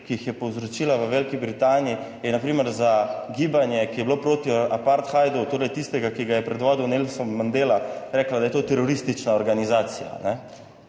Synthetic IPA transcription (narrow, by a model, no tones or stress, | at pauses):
kijixjɛpowzɾot͡ʃiːlaʋəʋeːlkibɾit̪aːniji | jɛnapɾiːməɾzaɡiːbanjɛkijɛblopɾoːt̪iapaɾt̪xajd̪ot̪oːɾɛjt̪ist̪ɛɡakiɡajɛpɾɛd̪ʋɔːd̪uwnelsɔmːɐnd̪eːlaɾɛːklad̪ajɛt̪oːt̪ɛɾɔɾist̪it͡ʃnaɔɾɡanizaːt̪sija̰nɛ